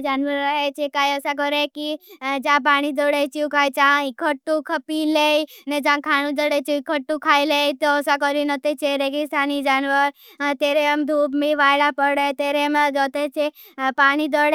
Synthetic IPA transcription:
d͡ʒaːnʋəɾːəɦet͡ʃʰekaːjəsak̬ɔɾekid͡ʒãp̬aːɽ̃id̪ɔɽet͡ʃiũkaːjt͡ʃãikʰəʈːukʰəpileined͡ʒãkʰaːñũd͡ʒ̪əɽet͡ʃiukʰəʈːukʰaːileit̪oːsakɔɾinɔt̪et͡ʃʰeɾeɡist̪ʰaːnid͡ʒaːnʋəɾ | t̪eːɾeəmd̪ʱuːbmiʋaːjɽapəɽet̪eːɾemd͡ʒɔt̪et͡ʃʰe | paːɽ̃id̪ɔɽe

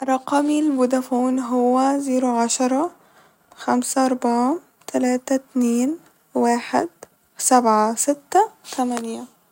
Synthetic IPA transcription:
ɾˤɑqɑmilbud̪afuːnɦʊwːaziːɾuʕaʃɑɾˤɑ | xamsaʔɑɾˤbaʕ | t̪ʰalaːt̪at̪neːn | waːħɪ̰d̪̚ | sabʕasɪt̪ːat̪ʰamanja

